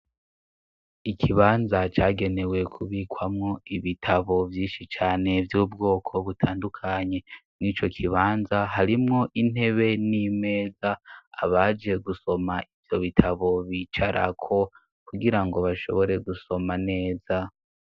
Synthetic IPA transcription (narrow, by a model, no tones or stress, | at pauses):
ikʰiβaːnzat͡ʃaːɡe̞ne̞we̞kʰuβiːkwamŋoiβitʰaβo̞vjiːnʃit͡ʃaːne̞vjuːbɡo̞ːkʰo̞βutʰaːndukʰaɲe̞mŋiːt͡ʃo̞kʰiβaːnzaɦaɾimŋo̞ʔin̥e̞βe̞nime̞ːzaːβad͡ʒe̞ɡuso̞maivjo̞βitʰaβo̞βiːt͡ʃaɾʔa̰kʰo̞ | kuɡiɾaŋɡo̞βaʃo̞̰βo̞ɾe̞ɡuso̞mane̞ːza